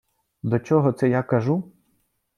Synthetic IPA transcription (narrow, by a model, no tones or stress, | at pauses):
d̪ɔt͡ʃɔɦɔt̪sɛjakɐʒu